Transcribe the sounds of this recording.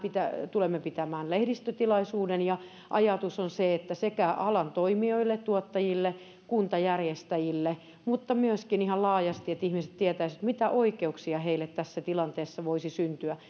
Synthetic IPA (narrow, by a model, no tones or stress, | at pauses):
pit̪æt̪ulemːepit̪æmæːnlehdist̪øt̪ilɑisuːdenjɑ | ʔɑjɑt̪usonseet̪ːæsekæʔɑlɑnt̪oimioilːett̪uot̪ːɑjilːe | kunt̪ɑjærjest̪æjilːe | mut̪ːɑmyøskinihɑllɑːjɑst̪iet̪ihmiset̪t̪iet̪æisit̪mit̪æʔoikeuksiɑheilːet̪t̪æsːæt̪ilɑnt̪eːsːɑʋoisisynt̪yæ